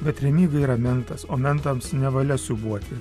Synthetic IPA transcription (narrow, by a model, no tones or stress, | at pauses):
bʲɛt̪ɾʲɛmʲiːɡɐiːɾɐmʲɛnt̪ɐsoːmʲɛnt̪ɐmsnʲɛʋɐlʲɛsʲʊbuɔt̪ʲɪ